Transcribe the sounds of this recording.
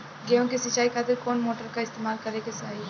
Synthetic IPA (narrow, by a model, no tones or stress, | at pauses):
ɡejõkesɪt͡ʃːaːikʰaːt̪ɪɾkɔːnmoːʈəɾkaɪst̪eːmaːlkɐɾekesaːi